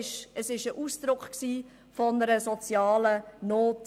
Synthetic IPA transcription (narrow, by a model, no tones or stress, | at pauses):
ʃəsɪʃəʔuːsd̥̪ɾʊkχksiː | fɔnəɾəsɔt͡sjɑːlənoːt